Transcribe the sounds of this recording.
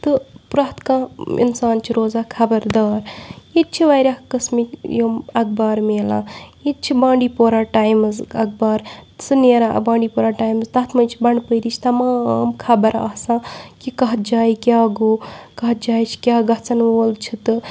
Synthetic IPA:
t̪ɨpɾaɦt̪kãḭnsaːnt͡ʃʰiɾoːzaːkʰɐbɐɾd̪aːɾjit̪̚t͡ʃʰiʋajɾʲaːkɐsmikjomɐk̚baːɾmeːla̰ːit̪̚t͡ʃʰibãːɳɖiːpoːɾaːʈaːjmzɐk̚baːɾsɨneːɾa̰ːbãːɳɖiːpoːɾaːʈaːjmzt̪ɐɦt̪ʰmɐjt͡ʃʰibɐɳɖpəjɾit͡ʃʰi̥t̪ɐmaːmkʰɐbɐɾa̰ːsãːkikɐɦt̪̚d͡ʒaːikʲjaːɡoːkɐɦ̪̚d͡ʒaːjt͡ʃʰi̥kʲjaːɡɐɦt͡sɐnʋoːlt͡ʃʰit̪ɨ

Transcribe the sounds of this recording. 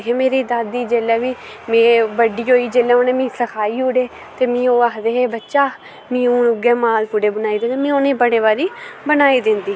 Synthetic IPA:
ɦeːmeːɾiːd̪aːd̪iːd͡ʒeːlɛːʋiː | mẽːʋəɖiːɦoːiːd͡ʒeːlɛ̃ːoːneːmĩːsəkʰaːiːuːɽeː | t̪eːmĩːoːaːkd̪eːɦeːbətːʃaː | mĩːuːnʊɡɛːmaːlpʊɽeːbənaːiːd̪ɪ̃nd̪eːmĩːoːnẽːbəɽeːβaːɾiːbənaːiːd̪ɪnd̪iː

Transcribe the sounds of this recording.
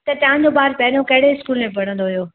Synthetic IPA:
t̪ɐt̪ɐɦãɲd͡ʑobaːɾpɛːnokɐɦɪɽeɪskuːlmẽpɐɽ̤ə̃nd̪oɦijoː

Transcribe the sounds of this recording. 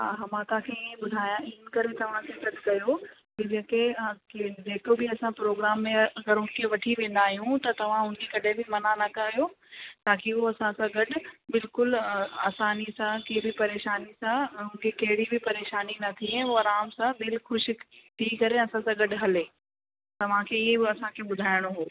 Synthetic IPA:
a̰ɦɐmãt̪ãkʰeĩbʊd̪ʱaːjãɪ̃nkɐɾet̪ɐʋ̤ãkʰet̪ɐkːɐjokɪd͡ʑẽːkekd͡ʑeːkobʱɪɐsãpɾoːɡɾaːmːẽɐɡɐɾɦʊnkʰeʋɐʈʰiʋẽːnd̪aːɦijũt̪ɐt̪ɐʋ̤ãɦʊnkekɐɗʱẽbʱɪmɐnanɐkajo | t̪aːkiuɐsãsãɡɐɖʊbɪlkʊlaːsaːnisãkebɪpɐɾeːʃaːnisãɦʊ̃nɪkʰekɐɦɪɽibʱɪpɐɾeːʃaːninɐt̪ʰiɦɛ̃oɐɾaːmsãd̪ɪlxʊʃt̪ʰikɐɾeɐsãsãɡɐɖɦɐleː | t̪ɐʋ̤ãkʰeɪɦebɪɐsãkʰeɓʊd̪ʱaːɪɽ̃oɦoː

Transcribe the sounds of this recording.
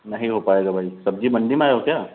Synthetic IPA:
nəɦiɦopaeːɡabʱaisəb̚d͡ʑiːbəɳɖimeajɦok̪ja

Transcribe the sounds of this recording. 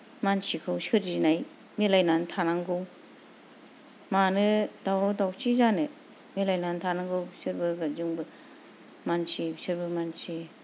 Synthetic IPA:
mansikʰɯwsɯɾd͡ʒinaj | milajnantʰanaŋɡɯw | manɯdawdawsizanɯ | milajnantʰanaŋɡɯwsɯɾbɯɡazuŋbɯ | mansisɯɾbɯmansi

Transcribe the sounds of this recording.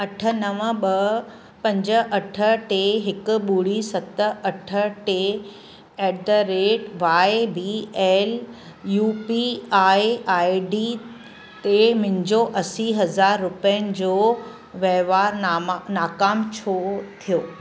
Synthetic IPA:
ɐʈʰə̆nɐʋəɓɐ | pɐ̃ɲd͡ʑə̆ʔɐʈʰə̆ʈeɦɪkʊ̆ɓuːɽisɐt̪ə̆ɐʈʰə̆ʈe | ɛːɖɾeːʈʋaːebiːɛːl | juːpiaːiaːiɖi | t̪emɪ̃ɲd͡ʑoʔɐsiɦɐzaːɾːʊpiənɪ̆d͡ʑoː | ʋeɦʋaːɾnaːkaːmt͡ɕʰoːt̪ʰijoː

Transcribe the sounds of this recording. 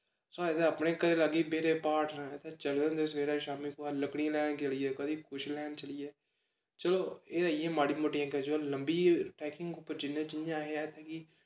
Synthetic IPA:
soːet̪ẽəpnẽːkəɾeːlaɡiːbeːɾeːpaːʈnet̪ʰːeːt͡ʃəld̪ə̃nd̪esʋeːɾaːʃaːmiːkoːaləkɽĩlɛːnkeliːɛːkəd̪iːkʊʃlɛːnt͡ʃəliːeː | t͡ʃəloːeːaijãːmaːɽiːmoʈːijãːked͡ʒoːləmbiːʈɛːkɪ̃ŋɡʊpːəɾd͡ʒɪnːẽːt͡ʃɪjãːɦeaːt̪ʰẽːkiː

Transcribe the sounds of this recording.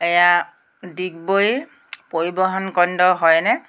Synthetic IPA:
ɛja | dik̚boj | poɹibɔɦɔnkɔndɔɦɔjnɛ

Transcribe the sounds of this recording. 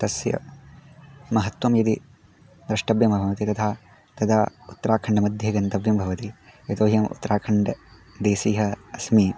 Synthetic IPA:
t̪ɐsjɐ̰ | mɐɦɐt̪ʋɐmjɐt̪i | d̪ɾɐʂʈɐbjɐmbʱɐbʱɐʋɐt̪it̪ɐt̪ʰaː | t̪ɐd̪aːut̪ːɐɾaːkʰɐɳɖɐmɐd̪ʱjɐɡɐnt̪ɐbjɐmbʱɐʋɐt̪ijɐt̪oːɦjɐmṵt̪ːɐɾaːkʰɐɳɖɐ | d̪eːsiːɦɐɐsmiː

